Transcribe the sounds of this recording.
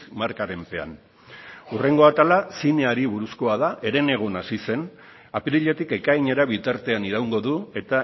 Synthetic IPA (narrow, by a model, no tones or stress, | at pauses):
maɾkaɾe̞mpe̞a̰n | ure̞ŋɡo̞at̪alasine̞aɾiβuɾusko̞aðaʔe̞ɾe̞ne̞ɣ̞unasise̞n | apiɾiʎe̞t̪ike̞kaiɲe̞ɾaβit̪aɾt̪e̞aniɾawŋɡo̞ðue̞t̪a